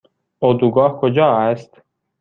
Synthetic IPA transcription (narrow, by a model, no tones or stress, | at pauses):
od̪uɡɒːhkʰod͡ʒɒːæst̪